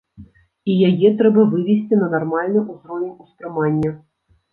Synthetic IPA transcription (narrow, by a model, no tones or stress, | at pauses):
ijajɛt̪ɾɛbɐvɨvʲɛsʲt͡sʲinɐnarmalʲnɨjuzɾɔvʲɪnʲusp̪ɾɨmanʲːɐ